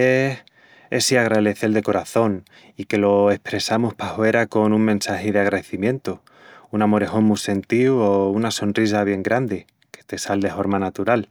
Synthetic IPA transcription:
e | esiaɣ̞ɾaðeθe̞ld̪e̞ko̞ɾaθo̞n | ike̞lo̞e̞hpɾe̞samospahwoe̞ɾako̞nuŋmẽ̞nsaheð̞eaɣ̞ɾaðeθimjẽ̞nt̪o | unamo̞ɾe̞xo̞ŋmujse̞nt̪iuounaso̞nrris̬aβ̞je̞ŋɡɾand̪e̞ | ke̞̥t̪e̞sald̪e̞fo̞ɾmanat̪uɾal

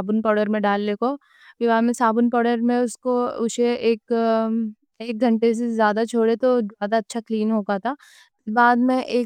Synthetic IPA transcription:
aːbʊnpɔːɖəɾmẽɖaːlːeːkoː | bɪʋaːmẽsaːbʊnpɔːɽəɾmẽʊskoʊʃeʔeːk | eːk̚ɡʱɐ̃ɳʈes̬ezjaːd̪at͡ʃʰoːɽet̪ozaːd̪aɐtːʃʰakliːnɦoːɡat̪ʰaː | baːd̪mẽʔeː

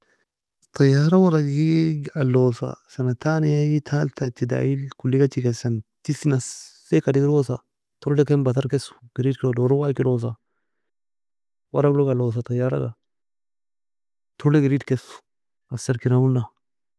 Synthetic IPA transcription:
t̪ɐjaːɾɐwɐɾaɡiɐlːoːsa̰sɐnɐt̪aːnɪjajit̪ʰaːlt̪ɐt͡ʃːid̪a̰ilkʊlːiɡɐt͡ʃikɛsɐnt̪isinɐsː | ekɐdɪɡɪɾoːsa | t̪ɔɾlɛkɛnbɐt̪ɐɾkɛsʊ̥ɡ̥ɪɾiːdklodoːɾɔwakɪloːs̬a | wɐɾaɡloɡɐlːoːs̬at̪ɐjːaːɾɐ̰ɡa̰ | t̪ʰɔɾlɛɡɪɾiːdkɛsu̥ | ɐsɐɾkɪnaʊnːa

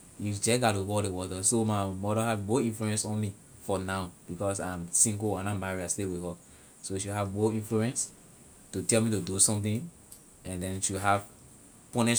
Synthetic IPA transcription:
ifd͡ʒɛɡatuwɔdewɔtəsomaɪmɔdəhadboθĩnfluɛ̃nsɔ̃nmi | fɔnaʊb̥ikɔsãmsĩŋɡoãnãmaɹiastewihɔ | soʃuɦavboθĩnfluɛ̃ns | tutɛlmitudusɔ̃mθĩn | ɛ̃ndɛ̃nʃuɦav | pɔ̃nɛ

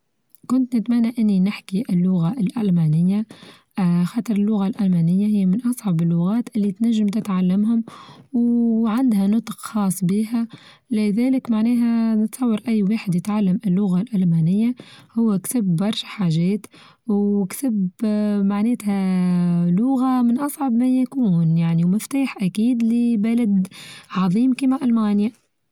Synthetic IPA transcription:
kʊnt̪nɪt̪mænːaʔɪnːinɪħkiʔɪlːʊɣaʔɪlʔælmaːnɪjːa | xɑːt̪ˤɨɾˤɪlːʊɣalʔælmæːnɪjːahɪjːmɪnʔɑsˤʕɑbɪlːʊɣæːt̪ʔɪlːit̪næʒːɪmt̪ɪt̪ʕalːamhʊmwʕand̪hænʊt̪ˤqxɑːsˤːbiːɦæ | lɪðɛːlɪkmaʕnɛːɦænɪt̪sˤɑwːɑɾˤʔæjːwaːħɪd̪jɪt̪ʕalːamʔɪlːʊɣalʔælmaːnɪjːahʊwːæksɪbːɑɾˤʃḁħaːʒɛːt̪ | wwksɪbmaʕneːt̪hæ | lʊɣamɪnʔɑsˤʕɑbmæjækuːnjaʕniwmɪft̪aːħʔækiːd̪lɪbælad̪ʕɑðˤiːmkiːmaʔalmaːnja

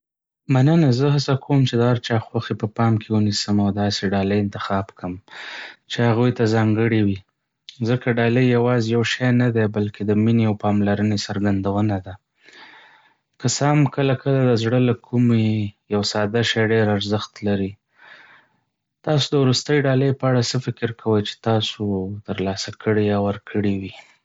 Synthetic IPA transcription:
manənazəɦasakʰomt͡ʃed̪əhaɾt͡ʃɑxwaxepəpɑmkʰewunisəmawd̪ɑseɖɑləjɪnt̪ɪxɑbkʰəm | t͡ʃehaɣujt̪azɑŋɡəɽiwi | zəkaɖɑləjjawɑzjawʃajnad̪ebalked̪əmineawpɑmlaɾənesaɾɡand̪awənad̪a | kəsɑmkəlakəlad̪əzɽəlakʰumejawsɑd̪aʃajɖeɾaɾzəxt̪laɾi | t̪ɑsod̪əwɾust̪əjɖɑləjpəaɽasəfɪkɪɾkʰawəjt͡ʃe̥t̪ɑsot̪əɾlɑsakʰəɽejɑwəɾkʰəɽiwi

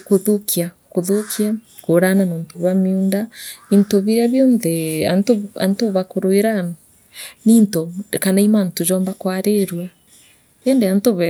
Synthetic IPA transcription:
koðokʰia | koðokʰia | koɾananoːntoβamiundaintoβiɾɛβjɔːnðɛantoa̰ntoβakoɾweɾan | nintokanaimantod͡ʒɔːmbakwaɾeɾwa | ɛndeantoβɛ

